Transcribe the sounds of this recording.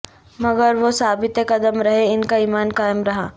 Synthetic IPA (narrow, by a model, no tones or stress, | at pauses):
mɐɡəɾʋosaːbɪt̪jəkɐd̪əmɾɐɦeɪnkaiːmaːnkaːjəmɾɐɦaː